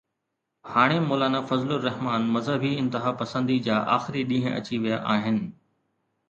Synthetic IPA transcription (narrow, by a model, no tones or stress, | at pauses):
haːɽ̃emoːlaːnafɐzlʊɾːɐɦmaːnmɐzəbʱiɪ̃nt̪ɪɦaːpɐsə̃nd̪id͡ʑaːʔaːxɪɾiɗĩːɦə̃ʔɐ̰t͡ɕiʋijaʔaːɦɪnɪ̆